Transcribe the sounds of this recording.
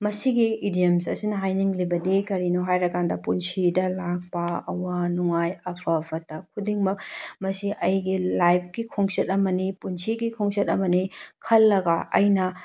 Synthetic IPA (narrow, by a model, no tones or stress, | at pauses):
mɐsiɡiidiemsɐ̰sinɐɦajniŋlibɐdikɐɾinɔɦajɾɐkandɐpunsidɐlak̚pɐɐ̰wɐnuŋajɐpʰɐpʰɐtɐkʰudiŋmɐk̚mɐsiʔɐjɡilajp̚ʰkikʰoŋsetɐmɐnipunsiɡikʰoŋsetɐmɐnikʰɐlːɐɡaʔɐ̰jnɐ